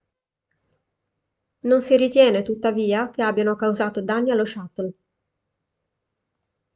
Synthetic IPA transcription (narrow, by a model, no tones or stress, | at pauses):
nonsiɾit̪jɛːnet̪ut̪ːaviːak̟eabːjanokawzaːt̪od̪anːialːoʃat̪ːol